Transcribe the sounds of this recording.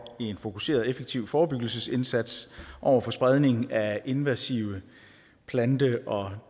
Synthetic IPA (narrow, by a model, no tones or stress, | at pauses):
ienfo̝kʰuse̝̰ːɐð̞̩ˠefeɡ̥̚t͡sʰiʊ̰fɒːb̥yɡ̥l̩səse̝nsæd̥sʔɒʊ̰ɐfɒ̽sb̥ʁað̞ˠne̝ŋn̩æe̝nʋæsiʊə | pʰlænd̥əʔɒ̽